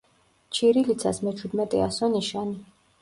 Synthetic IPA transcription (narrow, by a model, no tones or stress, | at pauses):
t͡ʃʰiɾilit̪sʰa̰smɛt͡ʃʰwid̪mɛt̪ʼɛ̰asɔniʃani